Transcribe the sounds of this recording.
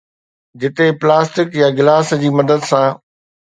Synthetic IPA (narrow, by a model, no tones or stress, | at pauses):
d͡ʑɪt̪eplaːsʈɪkjaɡɪlaːsd͡ʑiːmɐd̪əd̪sã